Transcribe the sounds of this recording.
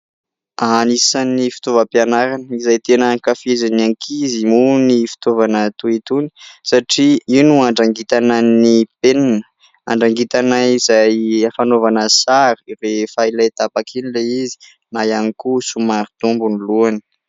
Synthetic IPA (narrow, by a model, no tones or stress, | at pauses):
anisanːifi̥t̪ovəpjanaɾanizajt̪enəkafezananikʰizimunifi̥t̪ovanət̪uit̪uni̥saʈ͡ʂiiwnuaɳɖ͡ʐaŋɡit̪ananipenanə̥ | a̰ɳɖ͡ʐaŋɡit̪anaizajafanovanəsaɾiɾefailajt̪apakʰinileizi̥ | najanikusumaɾit̪umbuniluani̥